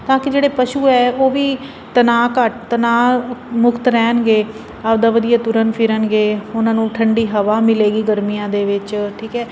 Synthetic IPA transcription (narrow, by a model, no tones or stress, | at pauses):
t̪ãːkɪd͡ʒeːɽeːpəʃuːɛːoːʋiː | t̪ənaːkəʈt̪ənaːmʊkt̪ɾɛːnɡeː | aːbd̪aːʋəd̪ijaːt̪ʊɾənpʰɪɾənɡeːʊnãːnũːʈʰəɳɖiːɦəʋaːmɪleːɡiːɡəɾmijãːd̪eːʋɪt͡ʃʈʰiːkɛː